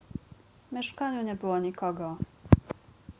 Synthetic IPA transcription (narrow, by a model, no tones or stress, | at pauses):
mʲjɛʂkaɲuɲɛbɘwɔɲikɔɡɔ